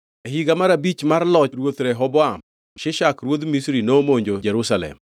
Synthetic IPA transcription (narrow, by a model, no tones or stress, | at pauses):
eɦiɡamaɾabit͡ʃmarlɔt͡ʃɾwot̪ɾɛɦɔbɔam | ʃɪʃakɾwod̪misɾinomoɲd͡ʒod͡ʒɛɾusalɛ̰m